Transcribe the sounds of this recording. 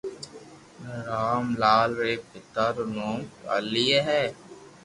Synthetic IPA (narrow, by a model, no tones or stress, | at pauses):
ɾaːmlaːlɾeːpɪt̪aɾʊnoːmkə̰lijeɦɛː